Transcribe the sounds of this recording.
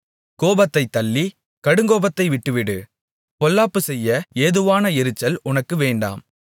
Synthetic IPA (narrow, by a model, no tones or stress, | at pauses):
koːbɐt̪ːɐɪt̪ːɐlːi | kɐɽɯŋɡoːbɐt̪ːɐɪʋɪʈːɯʋɪɽɯ | pɔlːaːpːɯsɛjːɐeːðɯʋaːnɐɪɾɯt͡ʃːɐlʊnɐkːɯʋeːɳɖa̰ːm